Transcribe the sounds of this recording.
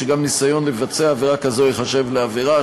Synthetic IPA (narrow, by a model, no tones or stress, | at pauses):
eɡamnisajo̞nlevat͡seaːveʁakazo̞iχaʃe̞vleaveʁa